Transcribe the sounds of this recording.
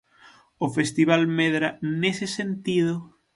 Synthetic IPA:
ofest̪iβ̞almeðɾɐnesɪsent̪iðʊ

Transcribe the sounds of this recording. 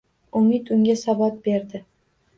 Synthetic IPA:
ʊmit̪ʊŋɡʲasabat̪̚beɾd̪ɪ

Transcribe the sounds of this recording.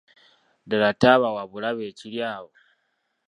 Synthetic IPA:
daɾataβawaβulaβeːciljaːβo

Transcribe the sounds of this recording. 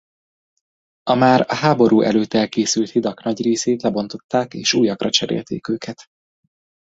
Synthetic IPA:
ɒmaːɾɒɦaːbo̞ɾuːʔɛ̰løːt̪ɛlkeːsylt̪hid̪ɒknɒɟreːseːt̪lɛbo̞nt̪o̞t̪ːaːkḛːʃuːjɒkrɒt͡ʃɛɾḛːlt̪ḛːkøːkʰɛt̪

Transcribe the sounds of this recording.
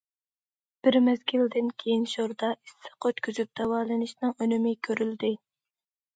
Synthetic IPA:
b̥ɪɾmɛzɡʲild̪ɪnkʲʰejinʃoɾd̪ɑʔi̥sːɨ̥qʰøt̪kʲyzyp̚d̪ɛwɑːlˠɨnɪʃnɨŋønymɪkʲʰøɾyld̪ɪ

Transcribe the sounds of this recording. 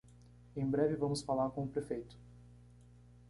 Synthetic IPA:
ẽj̃bɾɛvɪvɐ̃mʊsfalaɾkõʊpɾefejt̪ʊ̥

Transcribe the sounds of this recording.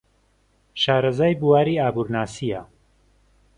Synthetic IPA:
ʃaːɾɐzaːjbuwaːɾiːaːbuːɾnaːsijɐ

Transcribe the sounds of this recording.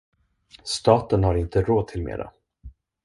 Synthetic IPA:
st̪ɑːt̪ənhaɾɪnt̪əɾoːd̪̚t̪ʰɪlmḛːɾa̰

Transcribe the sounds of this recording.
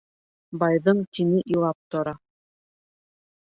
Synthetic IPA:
bɑjðɤɴt̪inɘʔjulˠɑp̚t̪ŏɾɑ

